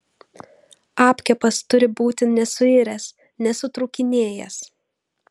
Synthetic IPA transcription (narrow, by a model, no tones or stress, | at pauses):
ɑːpʲkʲɛpɐst̪ʊɾʲɪbuːt̪ʲɪnʲɛsʊɪɾʲɛs | nʲɛsʊt̪ɾʊːkʲɪnʲeːjɛs